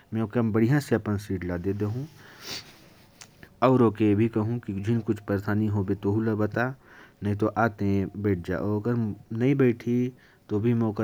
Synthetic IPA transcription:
mɛ̃okebɐɽijãseɐpənsiːʈlad̪eːd̪eɦũ | ɔːɾoːkebʱikɐɦũkid͡ʒʱɪnkʊt͡ʃʰpəɾt̪ʰaːniɦoːbet̪oɦulabɐt̪anɐɦĩt̪oʔaːt̪ẽbɛːʈ̚ʰd͡ʒa̰ːʔoɾɐɡəɾnɐɦĩbɛːʈʰi | t̪obʱimokə

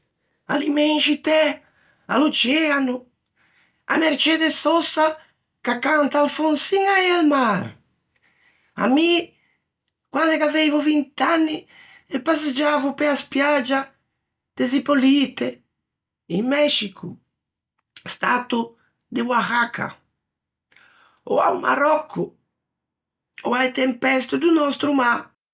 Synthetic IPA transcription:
a̰limɛnʃit̪ɛ | a̰lot͡ʃɛanu | a̰meɾt͡ʃɛd̪esɔsa | kakːant̪aalfonsiŋaealmaɾ | a̰mi | kwand̪ekaveɛjvuvint̪anːi | epased͡ʒavʊpeaspjad͡ʒa | d̪̥ezipolit̪e | immɛʃikʰu | st̪at̪u | d̪ɪwaɣakʰa̰ | o̰a̰wma̰ɾɔkʰːʊ | oajt̪empɛst̪ʊd̪unɔst̪ɾumaɾ

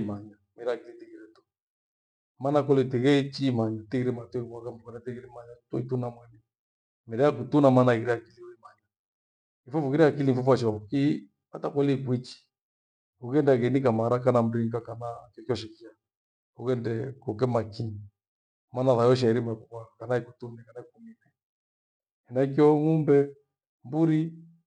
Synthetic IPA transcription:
maɲamɛɾɛakilitikiɾɛtu̥ | manakɔlitiɣɛt͡ʃimaɲatikiɾɛmatɔiwakambukanatiɣiɾɛmaɲatɔ̰itunamwɛni | mɛɾɛakutunamanaɣiɾɛakiliɔimaɲa | ifɔfukiɾiakiliɱfɔfwaʃauki | atakɔlikwit͡ʃi̥ | kukɛndakɛnikamaɾakanam̩ɾiŋɡakanakkiɔʃɛkia | ukɛndɛkɔkɛmakini | manaðajɔʃ̬aiɾimakukakanaikutunɛkanaikumiɾɛ | ɛnak̬iɔŋumbɛ | mbuɾi

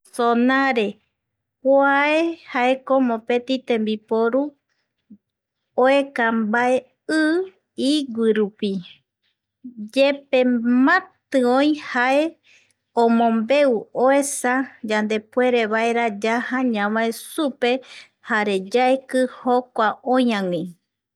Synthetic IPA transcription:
sonaɾe̞ | poaehaekomõpe̞t̪it̪ẽ̞mbipoɾu | oekambae̞ | ɨ | iɡʷiɾupi | d͡ʒep̚e̞mãt̪ɨõj̃hae̞ | õmõ̞mbe̞uoe̞sad͡ʒand̪e̞pwe̞ɾe̞βaeɾad͡ʒahãɲãmaesupe̞ | haɾe̞d͡ʒaekɨhokʷaõj̃ãŋĩ

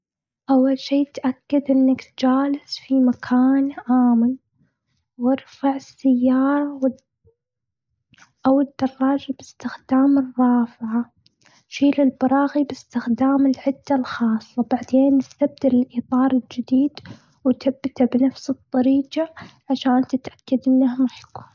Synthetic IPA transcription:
ʔawːalʃeːt̪ʔakːad̪ʔɪnːakt̪̚d͡ʒaːlɪsfimakʰaːnʔaːmɪn | wɑɾˤfaʕɪsːajːɑːɾˤɑwɪ | ʔawɪd̪ːɑrˤːɑːd͡ʒabɪst̪ɪxd̪aːmɨrˤːɑːfʕa | ʃiːlɪlbɑɾˤɑːɣibɪst̪ɪxd̪aːmɪlʕɪd̪ːalxɑːsˤːɑbaʕd̪eːnːɪst̪ab̚d̪ɪlɪlʔiːt̪ˤɑːɾˤɪld͡ʒɪd̪iːd̪ | wt̪abːɪt̪abnafsɨt̪ˤːɑɾiːqaʕaʃaːnt̪ɪt̪ʔḁkːad̪ʔɪnːahmaħku̥ːn

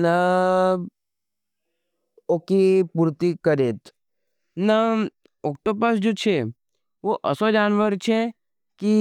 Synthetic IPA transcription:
nə | okipuɾt̪ikəɾet̪ | nə | ok̚ʈopəsd͡ʒot͡ʃʰe | ʋoʔə̰sod͡ʒaːnʋəɾt͡ʃʰe | ki

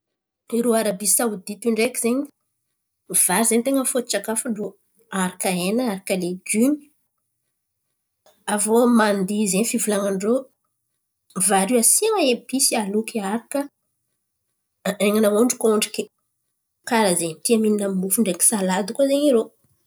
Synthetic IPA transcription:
iɾoaɾabisawud̪it̪iɳɖ͡ʐekʲizeɲi | vaɾizeɲt̪eŋəfot̪t͡ʃakafuɳɖ͡ʐo | aɾakaenəaɾakəleɡymi̥ | avomand̪izeɲifivulaŋaɳɖ͡ʐo | vaɾiasiaŋaebisialukiaɾakə | eŋanaoɳɖ͡ʐikoɳɖ͡ʐi̥kʲi | kaɾazeɲt̪iamininammufuɳɖ͡ʐekʲi̥salad̪ukazeɲiɾo

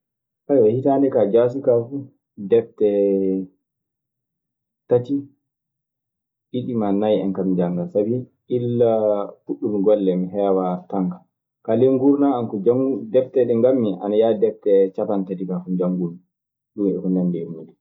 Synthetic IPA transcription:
ʔajwahitandɛkad͡ʒas̬ukafu | dɛftɛ | tati | ʔiɗimanajɛ̰nkamd͡ʒaŋɡasabiʔilːafuɗːumiɡɔlːɛmiɦɛwataŋkḁ | kaleŋɡuɾnaːnkɔd͡ʒaŋɡdɛftɛɗɛŋɡamːiʔa̰najadɛftɛt͡ʃapantatikafud͡ʒaŋɡuɾna | ɗumɛ̰hunɛndɛmudɛ

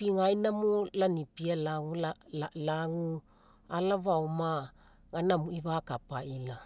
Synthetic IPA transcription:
piŋajnamolanipialaŋulaalaŋu | alaβawma | ŋanamuiβakapaʔila

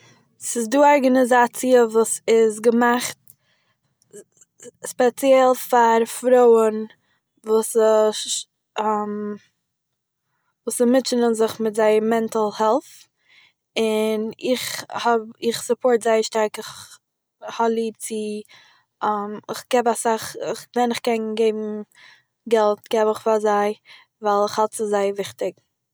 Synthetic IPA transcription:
sɪsdiːɔɾɡanɪzat͡siəvuːsɪzɡəmaχt̚ | spɛt͡sjɛlˠfaɾfɾoʊən | vuːsə | m | vuːsəmɪt͡ʃənənzɪχmɪtzaɪmɛntalˠhɛlˠf | ɪnɪχhɔbɪχsʊpʰɔːɹtzaɪəʃtaɾkɪχ | hɔblˠiːt͡sɪ | amɪχɡ̥ɛbasaχɪχvɛnɪχkɛnɡeɪbm̩ | ɡɛlˠtɡ̥ɛbɪχfazaɪ | vaɪlˠɪχhalˠtt͡sɪzaɪəvɪχtɪɡ̚

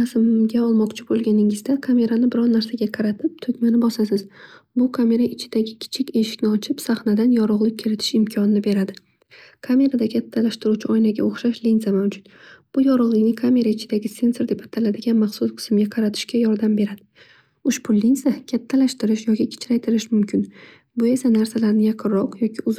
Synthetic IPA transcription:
asɪmɡʲaɒlˠmɒqt͡ʃʰɪbolˠɡʲanɪŋɪzd̪akʰame̞ɾanɪbɪɾɒnnaɾsaɡʲaqʰɑɾat̪ʰɪp̚t̪ʰɵkʲmanɪbɒsasɪzbʊkʰame̞ɾaɪt͡ʃʰɪd̪aɡʲɪkʲʰɪ̥t͡ʃʰɪkʲe̞ʃɪ̥kʲnɪɒt͡ʃʰɪpsaχnad̪anjɒɾʊʁlˠɪk̚ʲʰːɪɾɪt̪ʰɪ̥ʃɪmkʲʰɒnɪnɪbe̞ɾad̪ɪ | kʰamʲe̞ɾad̪akʲʰat̪ʰːalaʃt̪ɪɾuwt͡ʃʰɪɒjlaɡʲa̰oχʃaʃlinzamawd͡ʒʊt̪b̥ʊjɒɾʊʁlˠɪkʲnɪkʰamʲe̞ɾaɪt͡ʃʰɪd̪aɡʲɪse̞nso̞ɾd̪e̞pat̪ʰalad̪ɪɡʲanmaχsʊsqʰɨ̥sɪmɡʲaqʰɑɾat̪ʰɪ̥ʃkʲajɒɾd̪ambe̞ɾad̪ɪ | ʊʃpʰʊlːinzakʲʰat̪ʰːalaʃt̪ɪɾɪʃjɒkʲɪkʲʰɪ̥t͡ʃʰɾajt̪ʰɪɾɪʃmʊmkʲʰɪn | bʊe̞sanaɾsalaɾnɪjaqʰɨɾːɒqjɒkʲɪʊz

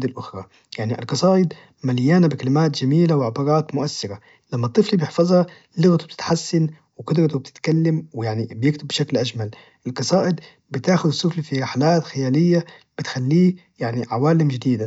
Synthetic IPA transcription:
d̪ɪlʔʊxɾˤɑ | jaʕniʔɪ̰lqɑsˤɑːʔɪd̪ | maljaːnabɪkalɪmaːt̪d͡ʒamiːlawʕabɑːɾɑːt̪mʊʔasːɪɾa | lamːɑt̪ˤːɨflibjɪħfɑzˤhɑ | lʊɣt̪ub̥̚t̪ɪt̪ħasːan | wɪkʊd̪ɾɑt̪ub̚t̪ɪ̥t̪kalːamwɪjaʕnibjɪkt̪ɪbːɪʃaklʔaʒmal | ʔɪlqɑsˤɑːʔɪd̪ | bɪt̪aːxʊd̪ɪsˤːʊflifiɾɪħalaːt̪xajaːlɪjːa | b̥ɪt̪xalːiː | jaʕniʕawaːlɪmd͡ʒɪd̪iːd̪a

